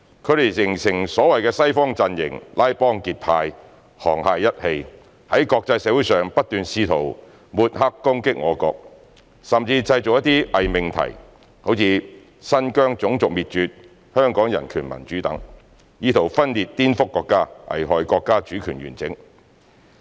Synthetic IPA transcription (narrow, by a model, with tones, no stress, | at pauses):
kʰɵ˨˧ɥɾe˨˩jsɪ˨˩ŋsɪ˨˩ŋsɔː˨˥wɐ˨jkɛː˧sɐ˥jfɔː˥ŋt͡sɐ˧njɪ̰˨˩ŋlʔaː˥jpɔː˥ŋkiː˧t̚pʰaː˧j | hɔ̰ː˨˩ŋhaː˧jːɐ˥t̚he˧j | hɐ˨˥jkɔː˧k̚t͡sɐ˧jsɛː˨˥wu˨˥jsœː˨ŋpɐ˥t̚t̪yː˨˧nsiː˧t̪ʰo˨˩w | muː˨t̚haː˥kːʊ˥ŋkɪ˥k̚ŋɔː˨˧kɔ̰ː˧k̚ | sɐ˨mt͡siː˧t͡sɐ˧jt͡sʊ˨k̚jɐ˥t̪iː˥ʔɐ˨jmɪ˨˩ŋt̪ʰɐ̰˨˩j | ho˨˥wt͡sʰiː˨˧ | sɐ˥nkœː˥ŋt͡sʊ˨˥ŋt͡sʊ˨k̚miː˨t̚t͡ʃyː˧t̚ | hœː˥ŋkɔː˨˥ŋjɐ˨˩nkʰyː˨˩nmɐ̰˨˩nt͡ʃyː˨˥t̪ɐ˨˥ŋ | jiː˥t̪ʰo˨˩wfɐ˥nliː˨˧t̚t̪iː˥nfʊ˥kːɔː˧kːaː˥ʔɐ̰˨˩jɦɔː˨jkɔː˧kːaː˥t͡ʃyː˨˥kʰyː˨˩nɥyː˨˩nt͡sɪ˨˥ŋ